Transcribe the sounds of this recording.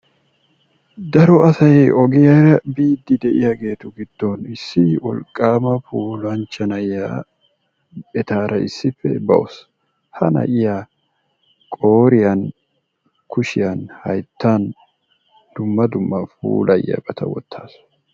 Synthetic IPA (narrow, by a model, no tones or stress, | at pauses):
d̪ɐɾɔɐsɐjɔɡɪjɐɾɐbiːd̪ːɪd̪ɛʔɪjaɡe̞ːt̪ʊɡɪd̪̥ːonɪsːɪwɔlkʼːaːmɐfuːlɐnt͡ʃːɐnɐjːaː | ɛt̪aːɾʔɐɪ̰sːɪfːɛ̰bɐ̰ʔɔ̰s | hɐnɐ̰ʔɪja | kʼoːɾɪjan | kʊʃɪjanhɐjt̪ːan | d̪̥ʊmːɐd̪ʊmːɐfṵːlʔɐjːɐ̰bɐt̪ʰɐ̰wɔ̰t̪ʰːaːs